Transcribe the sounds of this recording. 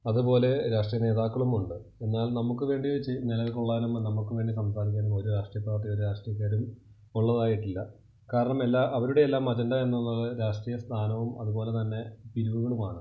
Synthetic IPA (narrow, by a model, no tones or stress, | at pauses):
ɐðupo̞ːle̞ɾaːʂʈrijɐne̞ːðaːkːɐɭumuɳɖɨ | e̞nːaːlnɐmukːɨʋe̞ːɳɖiʋet͡ɕːɨnilɐʋkuɭːaːnumnɐmukːɨʋe̞ːɳɖisɐmsaːɾik̬ʲːaːnumo̞ɾuɾaːʂʈrijɐpːaːt̪ːijo̞ɾuɾaːʂʈrijɐkʲːaːɾum | uɭːɐðaːjiʈːilːɐ | kaːɾɐɳɐmelːaːʔɐʋɐɾuɽe̞elːaːmɐd͡ʑɐndae̞nːulːalɨɾaːʂʈrijɐst̪ʰaːnɐʋumɐðupo̞ːle̞t̪ɐnːe̞piɾuʋuɣɐɭumaːɳ